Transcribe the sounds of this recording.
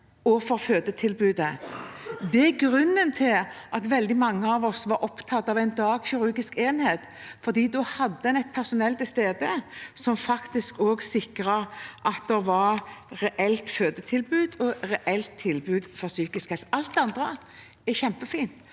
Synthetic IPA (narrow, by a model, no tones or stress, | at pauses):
ɔfɔɾføːd̪ət̪ʰɪlbʉːd̪ə | d̪ɛæɡɾʉnːənt̪ʰɪlʔɑt̪ʋɛld̪ɪmɑŋːəɑʋɔsʋɑɾʔɔpt̪ʰɑt̪ːɑʋæɪnd̪ɑːɡçɪɾʉɡɪskeːnheːt̪ | fɔɾd̪iːd̪ɔhɑd̪ːəɛnɛɪt̪̚pʰæʁsʊnɛlt̪ɪst̪eːd̪əsɔmfɑkt̪ɪskoːɡsɪkɾəɾʔɑt̪̚d̪ɛʋɑɾɾɛʔɛlt̪føːd̪ət̪ʰɪlbʉːd̪ɔɾɛʔɛlt̪ʰːɪlbʉːd̪fɔʁsyːkɪskhɛlsɑlt̪d̪ɑnd̪ʁə | ɛçɛmpəfiːnt̪